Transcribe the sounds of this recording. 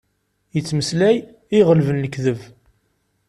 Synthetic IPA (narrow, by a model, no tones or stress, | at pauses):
jət͡sːməslæj | iʁəlvənləkðəv